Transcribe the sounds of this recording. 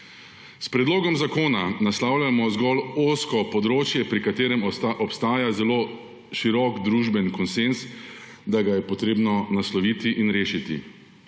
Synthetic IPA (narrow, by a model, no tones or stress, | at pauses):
spɾɛd̪loːɡɔmzakoːnanaslaːwlʲjamɔzɡɔloːskɔpɔd̪ɾoːt͡ʃjɛpɾikat̪eːɾɛmɔpst̪aːjazɛloː | ʃiɾɔkd̪ɾuːʒbɛnkɔnsens | d̪aɡajɛpɔt̪ɾeːbnɔnaslɔʋiːt̪iʔinɾeːʃit̪ḭ